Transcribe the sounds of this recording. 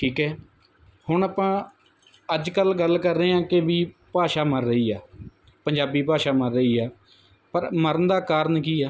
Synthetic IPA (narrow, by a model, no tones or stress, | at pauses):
ʈʰiːkɦɛː | hʊɳaːpãː | əd͡ʒkəlɡəlːkəɾːəeːãːkeʋiːpaːʃaːməɾːəiːaː | pəɲd͡ʒaːbiːpaːʃaːməɾːəiːaː | pəɾməɾənd̪aːkaːɾənkiːaː